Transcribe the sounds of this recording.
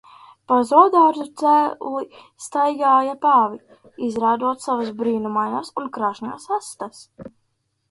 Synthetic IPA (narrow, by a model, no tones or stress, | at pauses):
pazɔd̪aɾzut̪sælist̪ajɡaːjapaːvi | izɾaːd̪uɔt̪savasbɾiːnumajnasunkɾaʒnʲasast̪as